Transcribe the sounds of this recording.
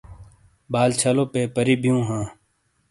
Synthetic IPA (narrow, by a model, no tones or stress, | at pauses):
baːlt͡ʃʰaːlõːpeːpəɾiːbʱijũːɦãː